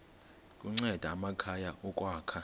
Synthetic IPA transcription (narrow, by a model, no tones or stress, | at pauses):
kʼuŋ͡ǀɛd̥ʱaːmakʰajaɔkʼwaːkʰa